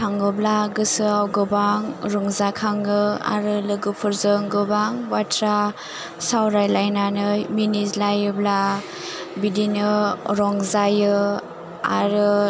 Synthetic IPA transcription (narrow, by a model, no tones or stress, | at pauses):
tʰaŋɡɯblaɡɯsɯawɡɯbaŋɾɔŋzakʰaŋɯa̰ɾɯlɯɡɯpʰɯɾzɯŋɡɯbaŋbatʰɾa | sawɾajlajnanɯminislajɯbla | bidinɯɾɔŋzajɯ | a̰ɾɯ